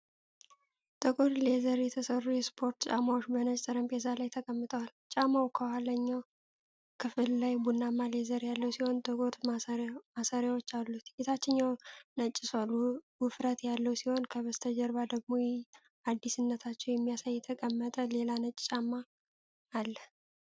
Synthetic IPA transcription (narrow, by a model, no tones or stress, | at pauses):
t̪ʼɨkʼuɾlezəɾjɛt̪ʰəsərːujɛspʰo̞ɾt̪t͡ʃʼamːawot͡ʃːbənət͡ʃʼt̪ʼɨɾəmpʼezalajt̪ʰəkʼəmːɨt̪ʼəwalt͡ʃʼamawkʰəwaləɲːaw | kʰɨfɨlːajbunːamːalezəɾjalːəwsiho̞nt̪ʼɨkʼuɾmasaɾjawot͡ʃːalːut̪ɡet̪ʰat͡ʃːɪnːawnət͡ʃʼːɪsalːuwɨfɾət̪jalːəwsiho̞nkʰəβəst̪ʰəd͡ʒəɾbad̪əɡ̚mo̞jɛ | ad̪ːisɨnːət̪ʰat͡ʃːɛwjɛmːijasajːɛt̪ʰəkʼəmːət̪ʼəle̞lanət͡ʃʼt͡ʃʼamːaː | lːə